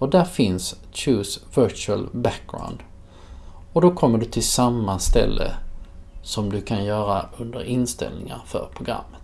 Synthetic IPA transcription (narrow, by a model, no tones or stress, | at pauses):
ɔd̪æɾfɪns | t͡ʃʉːsvœt͡ʃʉəlbæk̚ɡɾa̰ʊnd̪ | ɔd̪ɔkʰɔmːəɖɵt̪ʰɪlsamːast̪ɛ̰lːə̰ | sɔmd̪ɵkʰanjœːɾaɵnd̪əɾɪnst̪ɛ̰lnɪŋa̰ɾfœ̰ɾpʰɾʊɡɾa̰mːət̪